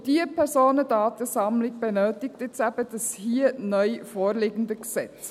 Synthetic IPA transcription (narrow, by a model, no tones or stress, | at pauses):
d̥iəpʰɛɾsoːnədɑːt̪əsɑmlɪɡb̥ɛnøːtɪk̚tɪt͡sæb̥əd̥ɑshiːənœʏfoːɾleːɡəndəksɛt͡s